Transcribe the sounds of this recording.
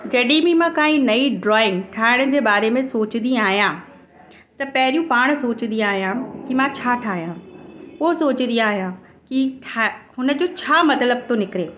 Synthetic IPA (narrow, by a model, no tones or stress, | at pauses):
d͡ʑɐɗibimãkaːĩnɐiɖɾɔːɪ̃ŋɡʈʰaːɪɽ̃d͡ʑeːbaːɾemẽsoːt͡ɕɪnd̪ĩaːɦijãː | t̪ɐpɐɦɪɾijũpaːɽ̃soːt͡ɕɪnd̪ĩaːɦjãkimãt͡ɕʰaːʈʰaːɦijãʊɦosoːt͡ɕɪnd̪ijaːɦjã | kiʈʰaɦʊnə̆d͡ʑoːt͡ɕʰaːmɐt̪ləb̚t̪onɪkɪɾeː